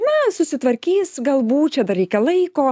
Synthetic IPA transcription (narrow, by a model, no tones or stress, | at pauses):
nɐsʊsʲɪt̪ʋɐɾʲkʲiːsɡɐlˠbuːtt͡ʃʲɛd̪ɐrɾʲɛɪkʲɛlˠɐɪkoː